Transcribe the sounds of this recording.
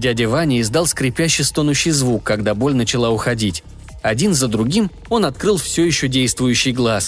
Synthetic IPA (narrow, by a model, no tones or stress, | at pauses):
dʲædʲɪvanʲɪɪzd̪alˠskɾʲɪpʲæɕːɪjst̪o̞nʊɕːɪjzvukːɐɡd̪abo̞lʲnət͡ɕɪlˠaʊxɐdʲitʲ | ɐdʲinzəd̪ɾʊɡʲim | o̞nɐt̪̚kɾɨlˠfsʲɵjɪɕːodʲejst̪vʊjʉɕːɪjɡlˠas